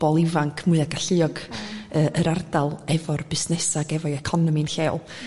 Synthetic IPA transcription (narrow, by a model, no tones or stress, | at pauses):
b̥ɔlˠɪvaŋkʰmʊɨaɡaɬɨɔɡəːʔəɾardalˠɛvɔrbɪsnɛsaɡɛvɔɛkʰɔnɔminɬɛlˠ